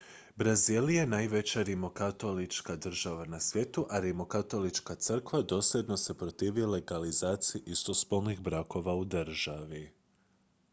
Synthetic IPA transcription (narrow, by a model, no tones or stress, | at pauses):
bɾaziːlijenajʋe̞t͡ɕaɾimo̞kat̪o̞lit͡ʃkad̪r̩ʒaʋanasʋjeːt̪uʔaɾimokat̪o̞lit͡ʃkat̪sɨr̩kʋad̪o̞sʎʲed̪no̞se̞pɾot̪iːʋile̞ɡalizaːt̪sijiʔist̪o̞spolnixbɾako̞ʋaud̪ɨr̩ʒ̥aʋi